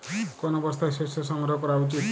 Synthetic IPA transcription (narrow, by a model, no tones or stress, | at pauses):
kɔnɔbɔst̪ʰasesjɔsɔŋɡɾɔɦɔkɔɾawt͡ʃit̪